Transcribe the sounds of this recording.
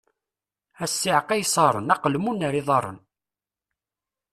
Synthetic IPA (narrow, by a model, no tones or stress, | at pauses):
æsːiʕqæjsˤɑɾˤə̰nɑqəlmunəɾiðˤɑɾˤə̰n